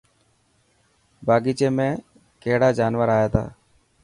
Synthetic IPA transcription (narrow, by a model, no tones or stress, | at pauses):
baːɡiːt͡ʃeːmẽː | keːɽaːd͡ʒaːnʋəɾaːjaːt̪ʰa̰ː